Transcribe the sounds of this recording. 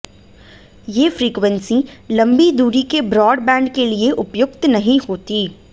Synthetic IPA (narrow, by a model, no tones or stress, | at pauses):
jeːfɾiːkʋə̃nsĩlɐ̃mbid̪uːɾikebɾɔːɖbɛ̃ːɳɖkelieʔʊpjʊkt̪nɐɦĩhoːt̪iː